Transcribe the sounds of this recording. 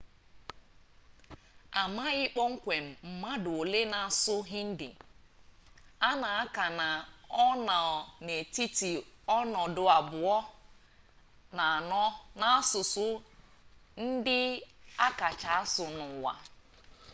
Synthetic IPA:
a˨ma˦ɣɪ˦k͡pɔ˦ŋ̩˦kʷe˨m̩˨m̩˨ma˦dʊ˨o˨le˦na˨sʊ˦ɦɪ˦n̩˦dɪ̰˨ | a˦na˨a˦ka˨na˨ɔ˦na˨ne˨ti˦ti˨ɔ˦nɔ˨dʊ˨a˨bʊ˨ɔ˦ | na˨nɔ˦na˦a˦sʊ˨sʊ˦ | n̩˦dɪ˦a˦ka˨t͡ʃa˨a˦sʊ˨nʊ˨wa̰˨

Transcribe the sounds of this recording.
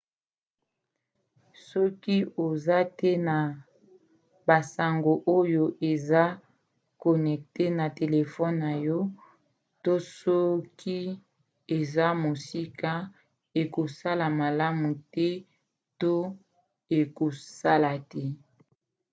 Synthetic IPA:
sɔ˦ki˦o˨za˦tɛ˦na˨ | ba˨sa˨ŋɡo˨ʔo˦jo˨ʔe˨za˦ | kɔ˨nɛ˨k̚te˦na˨te˨le˨fɔ˦nːa˨jɔ˦ | to˦sɔ˦kʰi˦ | e˨za˦mo˨si˦ka˦ | e˨ko˨sa˦la˨ma˨la˦mu˨tɛ˦ | to˦ | e˨ko˨sa˦la˨tɛ˦

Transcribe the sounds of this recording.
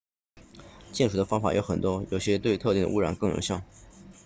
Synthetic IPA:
t͡ɕjɛ˥˩nʈ͡ʂu˨˩d̪ə˦fɑ˥ŋfa̰˨˩jo˧˥ʊxə˨˩nt̪wɔ˥jo˨˩ʊɕjɛ˥t̪we˥˧ɪt̪ʰɤ˥˧t̪i˥˩ŋd̪ə˧u˥ɻa̰˨˩nkɤ˥˩ŋjʊ̰˧˥ŋɕjɑ˥˩ʊ

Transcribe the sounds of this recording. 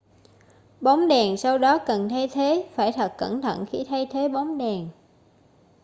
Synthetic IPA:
ɓɔ˨˦wŋ͡mɗɛ˨˩ŋsa˧wɗɔ˨˦kə˨˩nt̪ʰa˧jt̪ʰe˨˦faː˧˩jt̪ʰə˨˩t̚kːə˧˩nt̪ʰə̰˧˩˨nxi˧˩t̪ʰa˧jt̪ʰe˨˦ɓa˨˦wŋ͡mɗɛ˨˩ŋ

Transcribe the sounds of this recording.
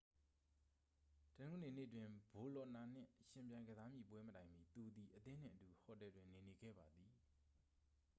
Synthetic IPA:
tənẽ˦ŋɡə˨ne˨nḛ˦˨ət̬wɪ̃˨mbo˨lɔ˨ʔna˨n̥ɪ̰̃˦˨ʃɪ̃˨mpjã˨ɪ̃ŋɡəza˦mjḭ˦˨pwɛ˦mətã˨ɪ̃mḭ˦˨t̪u˨d̪i˨ʔət̪ɪ̃˦n̥ɪ̰̃˦˨ʔətu˨hɔ˨tɛ˨dwɪ̃˨ne˨ne˨ɡɛ̰˦˨ba˨d̪ði˨

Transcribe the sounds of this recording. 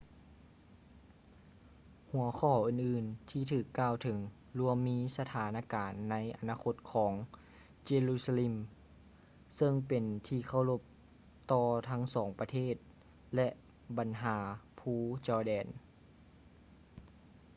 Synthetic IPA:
hu˨˩˦ɐkʰɔː˧˩ʔɯː˨˩nʔɯː˨˩nt̪ʰiː˧˩t̪ʰɯː˨˩kːaː˧˨wt̪ʰɤ˨˦ŋ | lu˧əmːiː˧˥sa˧t̪ʰaː˨˩˦naː˧kaː˨˩nːa˧˥jʔa˨˩naː˧kʰo˧˥t̪̚kʰɔː˩˦ŋ | t͡ɕeː˧luː˧˩sa˧le˧˨m | sɤ˧ŋpe˨nt̪ʰiː˧kʰa˧˩wlo˧p̚ | t̪ɔː˧t̪ʰa˧˦˥ŋsɔː˩˦ŋpa˧t̪ʰeː˥˩t̪̚ | lɛ˧ʔ | ba˨nɦaː˩˦pʰuː˧˩t͡ɕɔː˧˩dɛː˨˩n

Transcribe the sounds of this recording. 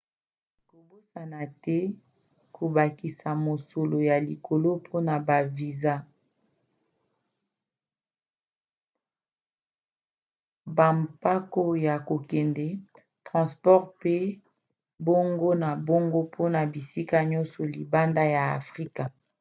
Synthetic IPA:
ko˨bo˦sa˨na˨tɛ˦ | kʰo˨ba˨ki˨sa˨mo˨so˨lo˨ja˨li˨kʰo˨lo˦pʰo˦na˨ba˨vi˨za˦ | ba˨mpa˦ko˦ja˨ko˨kɛ˨ndɛ˨ | tʁɑ̃˨spɔ˦ʁpe˦ | bo˦ŋɡo˦na˨bo˦ŋɡo˦pʰo˦na˨bi˨si˦ka˦ɲɔ˦nsɔ˨li˨ba˦nda˦ja˨a̰˨fʁi˦ka˨

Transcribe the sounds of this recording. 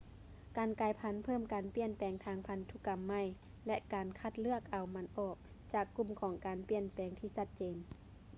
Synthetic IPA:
kaː˨nkaː˧˩jpʰa˧˥npʰɤː˥˨mkaː˨˩npi˧˩ənpɛː˨˩ŋt̪ʰaː˧ŋpʰa˧˥nt̪ʰu˧˩ka˨mːa˧˩˨j | lɛ˧ʔkaː˨˩nkʰa˧t̪̚lɯ˥˩ək̚ʔa˨˩wma˧˥nʔɔː˨˩k̚ | t͡ɕaː˨˩kːu˧˩˨mkʰɔː˨˦ŋkaː˨˩npi˧˩ənpɛː˨˩ŋt̪ʰiː˧˩sa˧t̪̚t͡ɕeː˨n

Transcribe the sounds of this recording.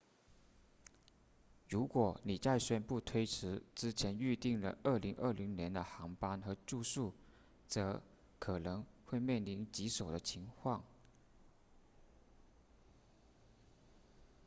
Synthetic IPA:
ɻu˧˥kwɔ˨˩˦ni˨˩t͡sa˥˩ɪɕɥɛ˥˩npu˥˩t̪ʰwe˥ɪʈ͡ʂʰɻ̩˧˥ʈ͡ʂɻ̩˥t͡ɕʰjɛ˧˥ny˥˧t̪i˥˩ŋlə̰˩ʔə˞˥˩li˧˥ŋʔə˞˥˩li˧˥ŋnjɛ˧˥nd̪ə˧xɑ˧˥ŋpa˥nxɤ˧˥ʈ͡ʂu˥˧ʂu˥˩ | t͡sɤ˧˥ | kʰɤ˨˩nɤ˧˥ŋxwe˥˧ɪmjɛ˥˩nli˧˥nt͡ɕi˧˥ʂo˨˩ʊd̪ə˦t͡ɕʰi˧˥ŋkʰwɑ˥˩ŋ

